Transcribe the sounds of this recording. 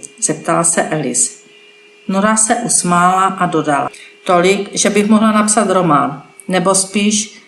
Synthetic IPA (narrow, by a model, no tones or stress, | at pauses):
z̥ɛp̚t̪alsɛʔɛlɪ̰s | noɾasɛʔusmaːlaʔado̞dala̰t̪o̞lɪkʒɛbɪxmoɦlanapsat̪ɾo̞manː | ɛbo̞spiːʃ